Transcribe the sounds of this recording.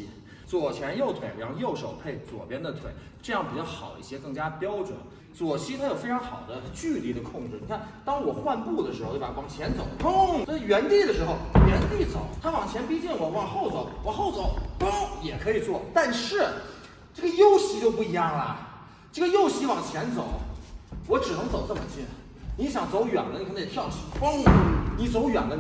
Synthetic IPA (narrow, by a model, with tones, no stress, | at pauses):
t͡swɔ˨˩t͡ɕʰjɛ˧˥njo˥˩ʊt̪ʰwe˧˥ɪɻa̰˧˥xo˥˧jo˥˩ʊʂo˨˩ʊpʰe˥˩ɪt͡swɔ̰˨˩pjɛ˥nd̪ə˨t̪ʰwḛ˧˩˦ɪ | ʈ͡ʂɤ˥˧jɑ˥˩ŋpi˨˩t͡ɕjɑ˥˩ʊxɑ˨˩ʊḭ˥˩ɕjɛ˥kɤ˥˩ŋt͡ɕja˥pjɑ˥ʊʈ͡ʂwə̰˨˦n | t͡swɔ˨˩ɕi˥t̪ʰa˥jo˨˩ʊfe˥ɪʈ͡ʂʰɑ˧˥ŋxɑ˨˩ʊd̪ə˦t͡ɕy˥˧li˧˩d̪ə˨kʰʊ˥˧ŋʈ͡ʂɻ̩˥˩i˨˩kʰa˥˩nt̪ɑ˥ŋwɔ˨˩xwa˥˧npu˥˩d̪ə˩ʂɻ̩˧˥xt̪ːwɑ˨˩ŋt͡ɕʰjɛ˧˥nt͡so˨˩˦ʊo˥ŋ̩˥˩ɥɛ˧˥nt̪i˥˩d̪ə˩ʂɻ̩˧˥xo˧ʊɥɛ˧˥nt̪i˥˩t͡so̰˨˩˦ʊt̪ʰa˥wɑ˨˩ŋt͡ɕʰjɛ˧˥npi˥t͡ɕɛ˥˩nwɔ˨˧˩wɑ˨˥˩ŋxo˥˩ʊt͡so˨˩˦ʊwɑ˧˥xo˥˩ʊt͡so˨˩˦ʊpʊ˥ŋjɛ˨˩kʰɤ˧˥i˨˩t͡swɔ˥˩t̪a˥˧nʂɻ̩˥˩ | ʈ͡ʂɤ˥˩ə˩jo˥ʊɕi˧˥t͡ɕjo˥˧ʊpu˥˩i˧˥jɑ˥˩ŋlɐ̰˩ | ʈ͡ʂɤ˥˩ɡə˩jo˥˩ʊɕi˧˥wɑ˨˩ŋt͡ɕʰjɛ˧˥nt͡so˨˩˦ʊwɔ˧˥ʈ͡ʂɻ̩˨˩nɤ˧˥ŋt͡so˨˩ʊt͡sə˥˩mə̰˩ɕʰi˥n | ni˧˥ɕjɑ˨˩ŋt͡so˧˥ʊɥɛ̰˨˩nlə˦n˨kʰnʰ˥˩jɑ˥˩ʊɕpʊ˥ŋni˧˥t͡so˧˥ʊɥɛ̰˨˩nlə˦